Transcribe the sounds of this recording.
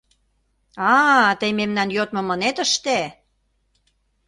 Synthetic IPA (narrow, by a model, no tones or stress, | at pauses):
ɑt̪əjmemnɑnjot̪mɤ̆mə̆net̪əʃt̪e